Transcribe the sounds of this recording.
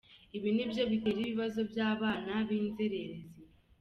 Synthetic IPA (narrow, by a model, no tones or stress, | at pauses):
iβinibjo̞βiteɾiβiβazo̞bjaːβaːnaβiːnzeɾeɾezi